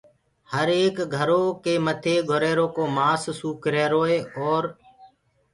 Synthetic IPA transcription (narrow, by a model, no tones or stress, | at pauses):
həɾeːkɡʱəɾoːkeːmət̪ʰeːɡʱʊɾeːɾoːkoːmaːssuːkɾeːɾoːeːoːɾ